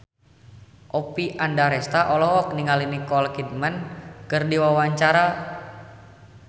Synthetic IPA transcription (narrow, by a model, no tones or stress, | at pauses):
ʔɔpiʔandaɾɛst̪aʔɔlɔɦɔk̚niŋalinikɔlkid̪̚mənkərdiwawaɲt͡ʃaɾa